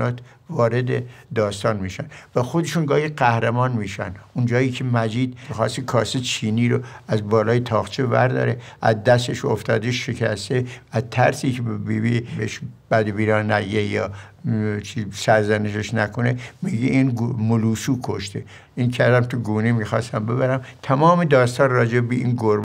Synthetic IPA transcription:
ɒːt̪ʰ | vɒːɾed̪ed̪ɒːst̪ɒːnmiːʃænvæxod̪eʃunɡɒːhiɢæhɾemɒːnmiːʃæ̰nund͡ʒɒːjiːcʰemæd͡ʒiːd̪mixɒ̰ːst̪ikʰɒːset͡ʃʰiːniːɾoæzbɒːlɒːjet̪ʰɒːxt͡ʃʰevæ̰ɾd̪ɒ̰ːɾeʔæzd̪æst̪eʃoft̪ʰɒːd̪eʃekʰæst̪eæt̪ʰæɾsiːkʰebbiːbibeʃb̥æd̪biːɾɒːnæɟejɒː | t͡ʃʰisæɾzæneʃeʃnækʰonemiɟeʔinɡmoluːsuːkʰoʃt̪e | inkʰæɾd̪æmt̪ʰuɡuːnemiːxɑːst̪æmbe̞βæɾæmt̪ʰæmɒːmed̪ɒːst̪ʰɒːnrɒːd͡ʒebebeinɡoɾ

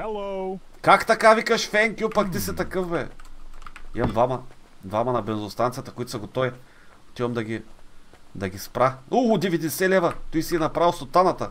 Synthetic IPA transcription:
ɛlo | kakt̪ɐkavikɐʃfɛŋkʲupɐkt̪isɛt̪ɐkɤfbɛ | ḭmɐmd̪vamɐ | d̪vamɐnɐbɛnzost̪ant̪sijət̪əkʊit̪ʊ̥sɐɡot̪ɔji | ot̪ivɐmd̪ɐɡʲi | d̪ɐɡʲispɾaud̪ivid̪ɛsɛlɛvɐt̪ɔjsiɛnɐpɾavilˠst̪ot̪anɐt̪ɐ

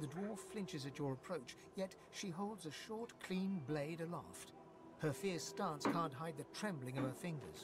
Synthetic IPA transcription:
ðɨdwɔɹfflɪ̃nt͡ʃɨzɨt͡ʃə˞əpʰɹ̥oʊt͡ʃ | jɛt | ʃiɦoʊlˠdzɨʃɔɹtkʰl̥ĩnbleɪɾəlæ̰ft | hə˞fɪɹstæ̃nskʰæ̃nʔɦaɪd̪̚ðɨtʰɹ̥ɛ̃mblɪ̃ŋʌv̥ə˞fɪ̃ŋɡə̰˞z̥

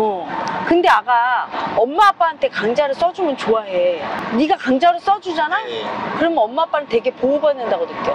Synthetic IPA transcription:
ʌkɯnde̞aɡaʌmːaːp͈aɦantʰe̞kaŋd͡ʑaɾɯɭs͈ʌd͡ʑumɯnt͡ɕoaɦeniɡakaŋd͡ʑaɾɯɭs͈ʌd͡ʑud͡ʑanakɯɾʌmjʌnʌmːaːp͈aɾɯtwe̞ɡe̞poːɡʌinːɯndaɡonɯk͈jo

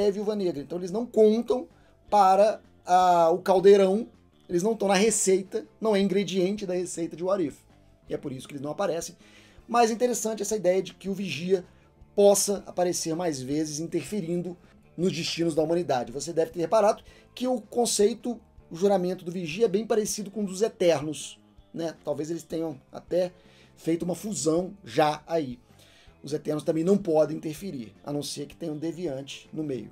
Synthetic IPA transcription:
ɛviuwvɐneɡɾɐẽt̪ɐ̃w̃elɪznɐ̃w̃kõnt̪ɐ̃w̃ | paɾɐ | aʊkawd̪eɾɐ̃w̃ | elɪznɐ̃w̃t̪ɐ̃w̃nɐɦesejt̪ɐnɐ̃w̃ɛĩɡɾed͡ʒiẽnt͡ʃɪd̪ɐhesejt̪ɐd͡ʒɪʊaɾif | ɪɛpoɾisʊkɪelɪznɐ̃w̃apaɾɛsẽj̃ | mɐjzĩt̪eɾesɐ̃t͡ʃɪɛsɐid̪ɛjɐd͡ʒɪkɪʊviʒiɐ | pɔsɐa̰paɾeseɾmajzvezɪzĩnt̪eɾfeɾĩnd̪ʊ | nʊzd͡ʒɪst͡ʃĩnʊzd̪ɐumɐ̃nid̪ad͡ʒɪvos̬ed̪ɛvɪt̪eɾhepaɾad̪ʊ | kɪʊkõsejt̪ʊ | ʊʒuɾamẽnt̪ʊd̪ʊviʒiɐɛbẽj̃paɾesid̪ʊkõũd̪ʊzet̪ɛɾnʊs | nɛt̪awvezelɪst̪ẽɲɐ̃w̃a̰t̪ɛ | fejt̪ʊũmɐfuzɐ̃w̃ʒaai | ʊzet̪ɛɾnʊs̬t̪ɐ̃mbẽj̃nɐ̃w̃pɔd̪ẽĩnt̪eɾfeɾḭɾa̰nũsiɐkɪ̥ẽjɲɐ̃d̪eviɐ̃t͡ʃɪ̥nʊmejʊ

